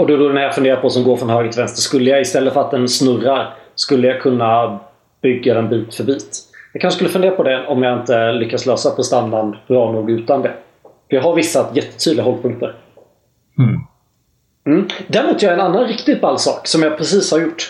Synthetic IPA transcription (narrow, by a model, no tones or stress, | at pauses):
ɔd̪ɵd̪ʊd̪ɛnhæːɾfɵnd̪eːɾapʰɔsɔmɡoːɾfɾɔnɦøːɡət̪vɛnst̪əskɵlːəjaɪst̪ɛlːətfœɾat̪̚d̪ɛnsnɵraɾskɵlːəjakʰɵnːa | b̥ʏɡːad̪ɛnbiːt̪fœɾbiːt̪jɑɡkʰanʂskɵlːəfɵnd̪eːɾapɔd̪ɛɔmjaɪnt̪əlʏkːat̪sløːsapʰɔst̪anːanbɾɑːnuːɡʉ̟ːt̪and̪ɛ | fəɾjɑɦaɾvɪsːajɛt̪ːə̥t̪ʰyːd̪ɪɡaɦɔld̪̚pʰɵŋk̚t̪əɾ | m̩ːd̪æːɾmuːt̪ːjɛnanːanɾɪkt̪ɪɡ̚balːsɑ̰ːksɔmjapʰɾɛsiːshaɾjʊʈː